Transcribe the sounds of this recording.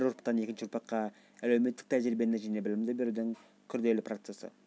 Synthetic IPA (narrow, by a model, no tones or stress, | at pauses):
ɾʊɾpt̪ːɑne̞kʲɪnʃɪʊɾpʰɑq̪qːɑ | ælewme̞t̪ːɪk̚t̪ʰæʒɾɪbe̞nɪʒæjnebɪlɪmd̪ɪbe̞ɾud̪ɪŋ | kʲʰʏɾd̪e̞lɪprot̪se̞sə̰